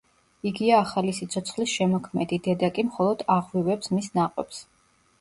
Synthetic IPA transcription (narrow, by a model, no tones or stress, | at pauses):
iɡiaːχalisit̪sʰɔt̪sʰχlisʃɛmɔkʰmɛd̪id̪ɛd̪akʼimχɔlˠɔd̪̥aʁwivɛpsmisnaqʼwɛps